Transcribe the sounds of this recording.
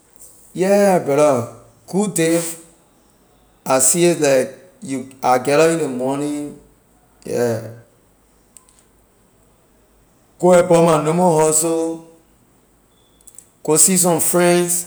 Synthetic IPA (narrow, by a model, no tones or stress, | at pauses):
jɛbɛɾɔ | ɡ̥udev | asietlak̚ | juaɡɛɾɔĩnemɔnĩ | jɛ̰ | ɡ̥oɛbɔmanomoɦɔso | ɡ̥osis̬ɔ̃mfɹɛ̃ns